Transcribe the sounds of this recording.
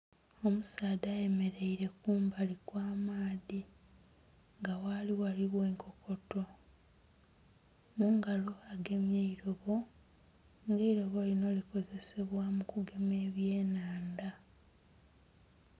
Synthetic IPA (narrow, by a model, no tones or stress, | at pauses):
o̞musaːdaːje̞me̞ɾe̞iɾe̞kuːmbalikwaːmaːði | ŋɡawaliwaliβwe̞ːŋkʰo̞kʰo̞to̞ | muŋɡalo̞aɡe̞mjeiɾo̞βo̞ | ŋɡe̞iɾo̞βo̞lino̞liko̞ze̞se̞βwamukuɡe̞me̞ːβje̞ːnaːnda